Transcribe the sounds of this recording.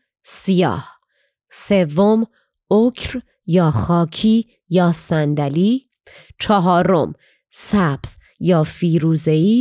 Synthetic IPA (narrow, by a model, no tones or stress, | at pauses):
sijɒ̰ːh | se̞vːom | ocʰɾ | jɒːxɒːcʰiː | jɒːsænd̪æliː | t͡ʃʰɒɦɒːɾom | sæb̥z̥ | jɒːfiːɾuːze̞iː